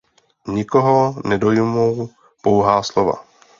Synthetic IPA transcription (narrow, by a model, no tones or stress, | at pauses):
ɲɪkoɦonɛdo̞jmow | powɦaːslova̰